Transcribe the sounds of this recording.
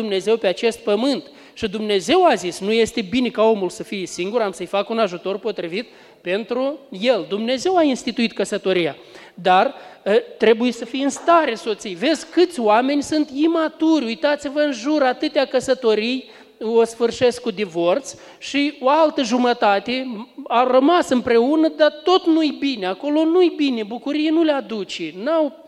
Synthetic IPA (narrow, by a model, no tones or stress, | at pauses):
umne̞ze̞wpe̞at͡ʃe̞st̪̚pəmɨnt̪ | ʃid̪umne̞ze̞wazisnuje̞st̪e̞bine̞kao̞mulsəfijesiŋɡuɾamsəjfakunaʒut̪o̞rpo̞t̪ɾivit̪̚ | pe̞nt̪ɾujeld̪umne̞ze̞wainst̪it̪uit̪kəsət̪o̞ɾija | d̪art̪ɾe̞bujesəfijɨnst̪aɾeso̞t̪sijve̞dzʲkɨt̪sʲoame̞nʲsunt̪imat̪uɾʲujt̪at̪sivəɨnʒuɾat̪ɨt̪eakəsət̪o̞ɾij | osfɨrʃe̞skkud̪ivo̞rt̪s | ʃioalt̪əʒumət̪at̪eawrəmasɨmpɾe̞unəd̪at̪o̞t̪nujbinʲeako̞lo̞nujbinebukuɾijenulead̪ut͡ʃenaw